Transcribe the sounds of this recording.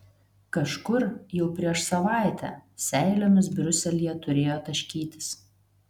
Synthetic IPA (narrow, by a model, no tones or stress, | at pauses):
kɐʃkʊɾjɛʊpʲɾʲiɛʃsɐʋɑˑɪt̪ʲæ̰sʲɛɪlʲoːmʲɪsbʲɾʲʊsʲɛlʲijɛt̪ʊɾʲeːjoːt̪ɐʃʲkʲiːt̪ʲɪ̥s